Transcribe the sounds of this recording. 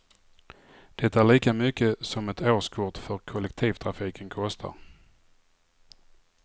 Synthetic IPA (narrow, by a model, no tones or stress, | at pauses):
d̪̥ɛt̪ːaæɭiːkamʏkːəsɔmɛt̪ʰoːʂkʰʊʈfœɾkʰɔlɛk̚t̪ʰiːvt̪ʰɾafiːkʰənkʰɔst̪ʰa̰ɾ